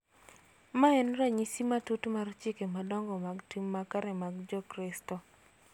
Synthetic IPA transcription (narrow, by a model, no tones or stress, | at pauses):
maɛnɾaɲisimatutmart͡ʃɪkemadɔŋɡɔmaɡtimːakaɾɛmaɡd͡ʒɔkɾɪstɔ